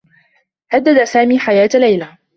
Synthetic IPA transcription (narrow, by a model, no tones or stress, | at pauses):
had̪ːad̪asaːmiːħajaːt̪lajla